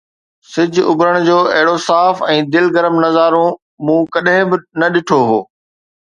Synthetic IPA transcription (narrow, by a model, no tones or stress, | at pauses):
sɪd͡ʑʱʊ̰bɾəɽ̃d͡ʑoːɐɦɪɽosaːfɛ̃ːd̪ɪlɡɐɾəmnɐzaːɾõ | mũːkɐɗɦɪ̃bɪ̆nɐɗɪʈʰoɦoː